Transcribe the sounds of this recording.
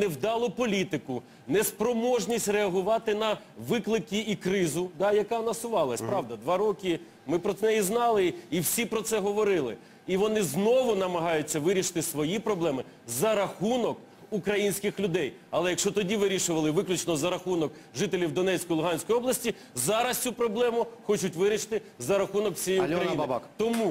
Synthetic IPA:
nɛwd̪ɑlˠɔpɔlʲit̪ɪkʊ | nɛspɾɔmɔʒnʲisʲtʲreɐɦʊʋɑt̪ɪnɐʋɪklˠɪkʲiikɾɪzʊd̪ɑjɐkɑnɐsʊʋɑlˠɐsʲpɾɑʋd̪ɐd̪ʋɑɾɔkʲɪ | mɪpɾɔnɛjiznɑlˠɪiwsʲipɾɔt̪sɛɦɔʋɔɾɪlˠɪ̰ | iʋɔnɪznɔʋʊnɐmɐɦɑjʊt͡sʲːɐʋɪɾʲiʃɪ̥t̪ɪsʋɔjipɾɔblˠɛmɪzɐɾɐxunɔk | ukɾɐjinʲsʲkɪxlʲʊd̪ɛjɐlˠɛjɐkʃɔt̪ɔdʲiʋɪɾʲiʃʊʋɐlˠɪʋɪklʲʊt͡ʃnɔzɐɾɐxunɔkʒɪt̪elʲiwd̪ɔnɛt͡sʲkɔjlˠʊɦɑnʲsʲkɔjɔblˠɐsʲtʲi | zɑɾɐst̪ʲt͡sʲupɾɔblˠɛmʊxɔt͡ʃʊtʲʋɪɾʲiʃɪ̥t̪ɪ | zɐɾɐxunɔkw̥sʲijjiukɾɐjinkt̪ɔmu

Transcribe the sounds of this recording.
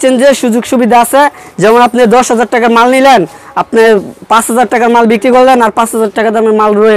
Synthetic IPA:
t͡ɕʰend͡ʑeʃud͡ʑoɡʃubid̪ʱaasʰed͡ʑɛmonapned̪ɔʃɦad͡ʑaɾʈakaɾmalnilenap̚nepãt͡ɕɦad͡ʑaɾʈakaɾmalbikɾikoɾlenaɾpãt͡ɕɦad͡ʑaɾʈakat̪eapnemalɾoe

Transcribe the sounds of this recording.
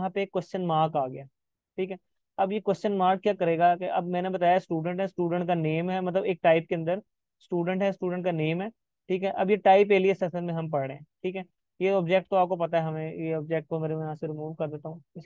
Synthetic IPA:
ɦãːpeːkːwɛst͡ʃənmaːɾkaːɡɪjaː | ʈʰiːkɦɛ | ɐbjekwɛst͡ʃənmaːɾk̚kjaːkɐɾeːɡakeʔɐbmɛ̃ːnebɐt̪aːjasʈuːɖə̃ɳʈɦɛsʈuːɖə̃ɳʈkaneːmɦɛmɐt̪ləbeːk̚ʈaːɪp̚keɐ̃nd̪əɾ | sʈuːɖə̃ɳʈɦɛsʈuːɖə̃ɳʈ̚kaneːmɦɛː | ʈʰiːkɦɛʔɐbjeʈaːɪpeːliesɐsəlmẽɦɐmpɐɽɽḛːɦɛ̃ːʈʰiːkɛː | jeɔːbd͡ʒɛːk̚ʈ̚t̪oaːp̚kopɐt̪aɦɛɦɐmẽjeɔːb̚d͡ʒɛk̚ʈ̚komeːɾejɦãseɾɪmuːʋkɐɾd̪eːt̪aɦũɪs

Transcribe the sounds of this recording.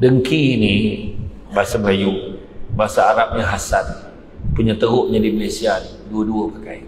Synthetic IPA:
dəŋkiːni | baɦasaməlaju | baɦasaːɾap̚ɲaɦasan | puɲat̪əɦʊʔɲadimalesian | duəduəpəkai

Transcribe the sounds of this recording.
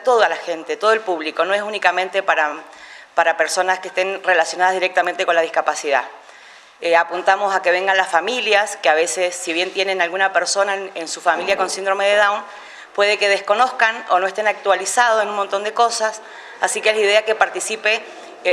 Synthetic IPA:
t̪o̞ðalaxe̞nt̪e̞t̪o̞ð̞oe̞lpuβliko̞no̞es̬unikamẽnt̪e̞paɾa | paɾape̞ɾso̞naskest̪e̞nre̞lasjonaðazðiɾek̚t̪amẽnt̪e̞ko̞nlað̞ihkapasiða̰ | apunt̪amo̞sakeβe̞ŋɡanlasfamiljaskeaβe̞sesːiβ̞je̞nt̪je̞nenalɣunapeɾso̞naensufamiljako̞nsind̪ɾo̞meðeðawn | pwe̞ð̞eke̞ð̞esko̞no̞skano̞̰no̞est̪enak̚t̪walisað̞oenunmont̪o̞nd̪e̞ko̞sas | asikeezlaiðeakepaɾt̪isipe

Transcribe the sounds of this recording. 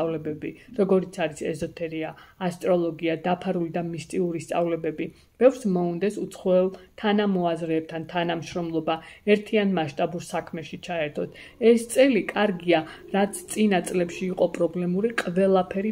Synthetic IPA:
avlɛbɛbiɾɔɡɔɾit̪sʰaɾisɛ̰zɔt̪ʰɛɾiaːst̪ʼɾɔlˠɔɡiad̪apʰaɾulid̪amist̪ʼiuɾist̪sʼa̰vlɛbɛbi | b̥ɛvɾsmɔund̪ɛsut̪sʰχwɔɛlˠt̪ʰanamɔazɾɛːp̚t̪ʰant̪ʰanamʃɾɔmlˠɔbaɛɾt̪ʰianmaʃt̪ʼabuɾsakʰmɛʃit͡ʃʰaɛɾt̪ʰɔs | ɛst̪sʼɛlikʼaɾɡia | ɾat̪sʰt̪sʼinat̪sʼlɛpʃiːqʼɔpʼɾɔblɛmuɾiqʼvɛlˠapʰɛɾi

